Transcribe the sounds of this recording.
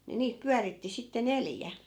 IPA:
ni niːt pyæritːi sitːe neljæ

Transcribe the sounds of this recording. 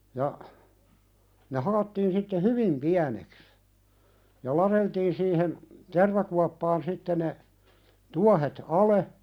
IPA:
jɑ ne hɑlotːiːn sitːe hyʋim piæneks jɑ lɑɾeltiːn siːhen terʋɑkuɑpːɑːn sitːe ne tuɑhet ɑle

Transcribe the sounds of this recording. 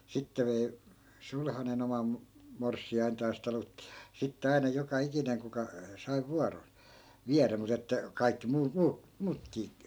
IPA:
sitːe ʋei sulhɑnen omɑm morsːiɑintɑːs tɑlutːi̥ jɑ sitːe ɑi̯nɑ jokɑ ikineŋ kukɑ sɑi̯ ʋuɑron̞ ʋiæræ mut etːæ kɑikːi muː muː muːtkiː

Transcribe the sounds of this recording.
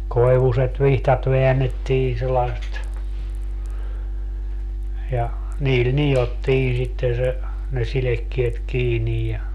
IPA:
koi̯ʋuset ʋihtɑt ʋeænːetːiːn̞ selːɑĕst jɑ niːl nijotːiː sitːen̞ se ne silekːiet kiːnij jɑ

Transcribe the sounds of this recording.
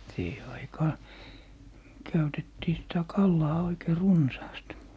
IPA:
siːhe ɑikɑːn̆ kæytetːiː sitæ kɑlːɑː oikei runsɑːst

